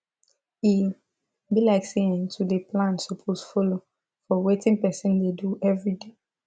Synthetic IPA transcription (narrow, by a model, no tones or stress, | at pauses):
i | bilaɪkseĩntʰudeplãnsɔpʰosfɔlo | fɔwetɪ̃ŋpɛsĩndeduʔɛvɹide